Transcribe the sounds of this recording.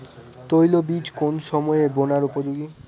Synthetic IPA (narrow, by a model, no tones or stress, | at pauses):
t̪ojlobid͡ʑkonʃɔmɔebonaɾupod͡ʑoɡi